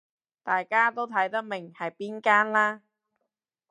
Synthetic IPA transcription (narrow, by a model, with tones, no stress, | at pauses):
t̪aː˨jkaː˥t̪o˥wt̪ʰɐ˨˥jt̪ɐ˥k̚mɪ˨˩ŋhɐ˨jpiː˥nkaː˥nlaː˥